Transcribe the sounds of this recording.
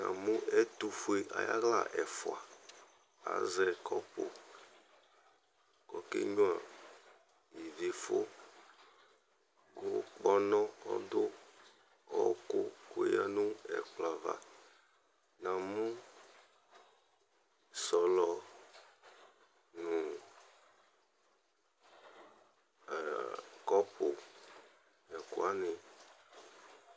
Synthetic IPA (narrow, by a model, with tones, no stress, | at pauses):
nã̰˨mũ˦ʔɛ˦t̪u˨fu˨e˨ʔa̰˨ja̰˦ɣla˦˨ʔɛ˨fo˨a˨ | a̰˨zɛ˨kʰɔ˦k͡po˨ | kɔ˨kḛ˦ɲũ˦a˨ | ji˨ve˨fo˦ | ɡo˦k͡pɔ˦nɔ̃˦ɔ̰˦d̪ʊ˦ | ɔ˦ko˦ko˨ja˦nũ˦ɛ̰˨k͡pla˨va̰˨ | nã˨mũ˦ | sɔ˨lɔ˨ | nũ˨ | kɔ˦po˨ | ɛ˨ko̰˨˦a˦ne˨